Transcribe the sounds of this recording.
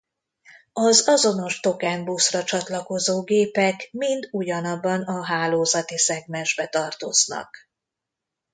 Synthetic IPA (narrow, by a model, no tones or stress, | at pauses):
ɒzɒzo̞no̞ʃt̪o̞kɛnbusrɒt͡ʃɒt̪lɒko̞zoːɡeːpɛkmind̪uɟɒnɒbːɒnɒɦaːloːzɒt̪isɛɡmɛʒbɛt̪ɒrt̪oznɒ̰k